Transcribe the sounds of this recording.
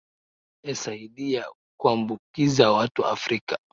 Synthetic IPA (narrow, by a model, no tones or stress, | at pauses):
ɛsaiɗia | kuambukizawatua̰fɾika